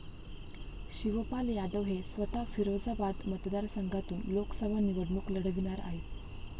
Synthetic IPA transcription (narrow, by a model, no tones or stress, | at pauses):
ɕiʋəpaljad̪əʋɦesʋət̪afiɾod͡zabad̪mət̪d̪aɾsəŋɡʱat̪uːnloksəbʱaniʋəɽɳuːkləɽ̤əʋiñaɾa̰ɦe